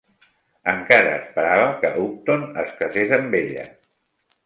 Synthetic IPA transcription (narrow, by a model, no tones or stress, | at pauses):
əŋkaɾəːspəɾaβəkəuk̚t̪onəskɾəzezəmbeʎə̰